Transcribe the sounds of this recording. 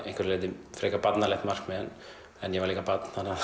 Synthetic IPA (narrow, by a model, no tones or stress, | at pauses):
ẽhŋkʰvɪɾleːt̪ɪfɾɛːkapat̪nalɛxt̪mar̥kmɛðɛnː | ɛnjɛvaɾliːkapat̪nana